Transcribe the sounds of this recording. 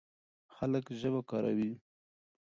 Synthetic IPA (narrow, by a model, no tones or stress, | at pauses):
xaləkʒəbakɑɾa̰wi